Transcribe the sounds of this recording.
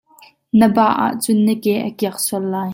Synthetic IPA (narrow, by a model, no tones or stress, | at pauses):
nəbaʔa̰ʔt͡sʊnːəkɛʔəkiɐk̚suəlːaːj